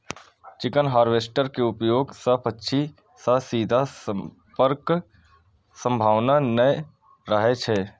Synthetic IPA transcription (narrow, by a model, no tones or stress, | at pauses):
t͡ʃɪkənɦaːɾʋeːsʈəɾkeʊpjoːɡsəpʰətːʃʰi | səsiːd̪ʱas | pəɾk | sə̃mbʱaːʋnanəj | ɾəɦet͡ʃʰɛː